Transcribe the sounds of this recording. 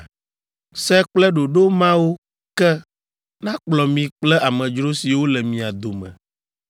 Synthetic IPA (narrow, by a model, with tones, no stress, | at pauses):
sɛ˦k͡plɛ˦ɖo˨ɖo˦mã˦wo˦ | kɛ˦ | nã˦k͡plɔ˨mĩ˨k͡plɛ˦ʔa˨mɛ̃˨d͡ʒɾo˦si˨wo˦lɛ˨mĩ˨a˨d̪o˨mɛ̰̃˨